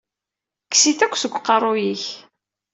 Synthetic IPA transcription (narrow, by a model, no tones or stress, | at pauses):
kːsiθækʷːsəɡʷːqːɑrˤːʊjiç